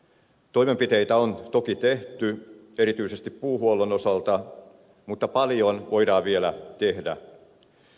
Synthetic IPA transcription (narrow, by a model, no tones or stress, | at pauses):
t̪oimempit̪ejt̪æont̪o̞kit̪eht̪y | e̞ɾit̪yˑisest̪ippːuːɦuolono̞sɑlt̪ɑ | mut̪ːɑpɑljonʋo̞jdɑːʋielæ̰t̪ehdæ̰